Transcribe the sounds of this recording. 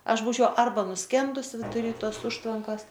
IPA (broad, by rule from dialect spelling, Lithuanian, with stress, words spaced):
ˈɐʃ ˈbuːt͡ʃʲɛʊ ˈɐrbɐ nʊˈsʲkʲɛndʊs ʋʲɪdʊˈrʲiː ˈtoːs ˈʊʃtʋɐŋkɐs